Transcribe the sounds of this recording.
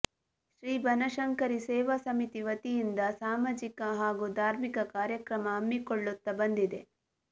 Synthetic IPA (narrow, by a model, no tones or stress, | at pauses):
ʃɾiːbʱɐnɐʃɐŋkɐɾisɛːʋɐsɐmit̪iʋɐt̪ijind̪ɐsaːmaːd͡ʒikɐɦaːɡud̪ʱaːɾmikɐkaːɾjɐkɾɐmɐɦɐmːikoɭːut̪ːɐbɐnd̪id̪e